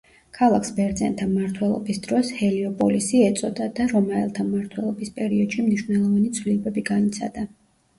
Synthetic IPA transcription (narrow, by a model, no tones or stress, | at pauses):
kʰalˠakʰsbɛɾd̪zɛ̰nt̪ʰamaɾt̪ʰwɛlˠɔ̰bisd̪̥ɾɔshɛliɔpʼɔlisiɛt̪sʼɔd̪ad̪̥aɾɔmaɛ̰lˠt̪ʰamaɾt̪ʰwɛlˠɔbispʼɛɾiɔd̪ʃimniʃwnɛlˠɔvanit̪sʰvlilɛbɛbiɡanit̪sʰa̰d̪a